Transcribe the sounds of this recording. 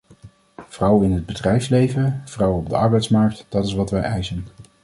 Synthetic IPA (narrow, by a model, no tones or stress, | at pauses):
v̥rʌwɪnɦəd̚bədrɛjfslejvəv̥rɑwɔb̚dəɑɹbɛjtsmɑɹk̚td̥ɑtɪsʋɑtʋɛjɛjsən